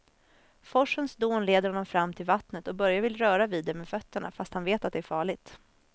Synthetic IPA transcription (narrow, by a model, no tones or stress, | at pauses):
fɔʂənsd̪oːnleːd̪əɾhɔnːɔmfɾamːt̪ʰɪlvat̪nət̪ɔbœɾjavɪlɾœːɾaviːd̪ːɛmeːfœt̪ːəɳa̰fast̪hanveːt̪at̪̚d̪ɛæɾfɑːɭɪɡt̪